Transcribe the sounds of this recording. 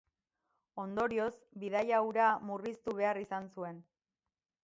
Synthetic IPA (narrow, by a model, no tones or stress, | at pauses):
o̞nd̪o̞ɾio̞s | bið̞ajawɾamurist̪uβ̞e̞arisansue̞n